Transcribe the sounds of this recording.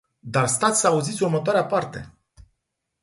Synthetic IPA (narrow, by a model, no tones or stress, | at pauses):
d̪arst̪at̪sʲsəauzit̪sʲurmət̪oaɾeapart̪e̞̰